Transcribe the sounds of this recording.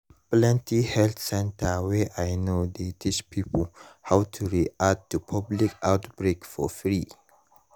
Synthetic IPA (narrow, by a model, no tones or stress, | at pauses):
plɛ̃ntihɛlt̪sɛ̃ntəweʔajnod̪etʰispʰipəlhawtʰuɹiʔat̚tːupʰablikawtb̥ɹekfɔ̰fɹi